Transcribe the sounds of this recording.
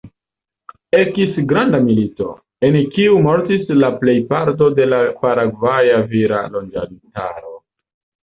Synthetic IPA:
e̞kisɡɾandamilito̞̰ | enkiumo̞ɾtislaple̞jpaɾt̬o̞de̞lapaɾaɡvajaviɾa̰lo̞nd͡ʒa̰lita̰ɾo̞

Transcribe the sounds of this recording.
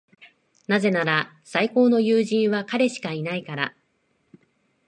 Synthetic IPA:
naze̞naɾa | saiko̞ːno̞jɯːʑĩɰ̃βakaɾe̞ɕi̥kainaikaɾa̰

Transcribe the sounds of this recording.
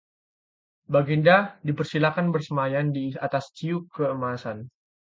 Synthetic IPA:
baɡindadipərsilakanbərsəmajandiat̪ast͡ʃiukːəəmasan

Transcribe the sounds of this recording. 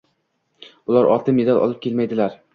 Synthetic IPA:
ʊlˠaɾʔɒ̰t̪ʰɪmjed̪alɒ̰lˠɪp̚kʲe̞lmajd̪ɪlaɾ

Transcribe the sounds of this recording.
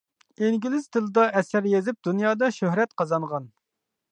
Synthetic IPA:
eŋɡʲilɪzt̪ʰɨlˠɨd̪ɑʔɛsæɾjezɪp̚d̪unjɑːd̪ɑʃøhɾɛt̪qʰɑzɑɴʁɑn

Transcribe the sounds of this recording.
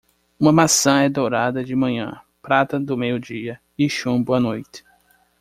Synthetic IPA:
ũmɐmasɐ̃ɛd̪owɾad̪ɐd͡ʒɪmɐ̃ɲɐ̰̃ | pɾat̪ɐd̪ʊmejʊd͡ʒiɐ | ɪʃũboɐnojt̪ɪ̥

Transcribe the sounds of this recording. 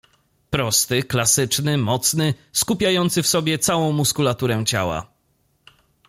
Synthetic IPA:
pɾɔst̪ɘklasɘt͡ʂnɘmɔt̪snɘskupʲjajɔnt̪sɘfsɔbʲjɛt̪sawɔ̃w̃muskulat̪uɾɛw̃t͡ɕa̰wa̰

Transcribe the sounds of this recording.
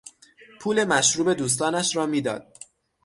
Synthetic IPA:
pʰuːle̞mæʃɾuːbe̞d̪uːs̬t̪ɒːnæʃɾɒːmiːd̪ɒ̰ːd̪̥̚

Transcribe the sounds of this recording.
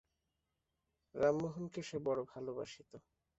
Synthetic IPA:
ɾamːoɦonkeʃebɔɾobʱaloba̰ʃit̪o

